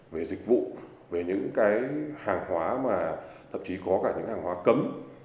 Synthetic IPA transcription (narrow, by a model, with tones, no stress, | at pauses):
ve˨˩zï˨˩k̟̚vṵ˧˨ | ve˨˩ɲɨ̰˧˥ŋkaː˨˦jhaː˨˩ŋhwaː˨˦maː˨˩t̪ʰə̰˧˨mt͡ɕi˨˦kɔ˨˦kaː˧˩ɲɨ̰˧˥ŋhaː˨˩ŋhwaː˨˦kə˨˦m